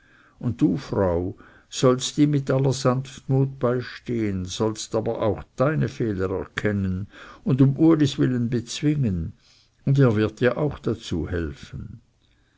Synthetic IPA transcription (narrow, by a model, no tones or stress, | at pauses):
ʊnt̚d̥uːfʁaʊ | z̥ɔlstd̥iːmɪtʔalːɐzanftmuːt̚b̥aɪʃteːənz̥ɔlstaːbɐʔa̰ʊxd̥aɪnəfɛːləʁɛɐkʰɛnənʊndʊmʔuɐlisvɪlənbət͡sv̥ɪŋən | ʊndeːɐvɪɐt̚d̥iːɐʔaʊxd̥at͡sṵːhɛ̰lfən̩